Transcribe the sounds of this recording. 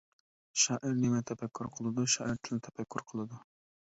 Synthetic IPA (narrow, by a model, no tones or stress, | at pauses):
ʃɑːʔɪɾnemɛt̪ʰɛpʰɛkʲʰːuɾqʰəlˠɨd̪uʃɑːʔiɾt̪ʰɪlt̪ʰɛ̥pʰɛkʲːuɾqʰəlˠɨd̪u